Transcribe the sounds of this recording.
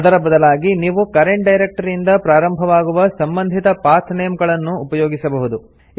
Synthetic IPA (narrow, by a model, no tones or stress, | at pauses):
ɐd̪ɐɾɐbɐd̪ɐlaːɡiniːʋukɐɾeɳʈ̚ɖɐjɾek̚ʈɐɾind̪ɐpɾaːɾɐmbʱɐʋaːɡuʋɐsɐmbɐnd̪ʱit̪ɐpaːt̪ʰneːmɡɐɭɐnːuːpɐjoːɡisɐbɐɦud̪u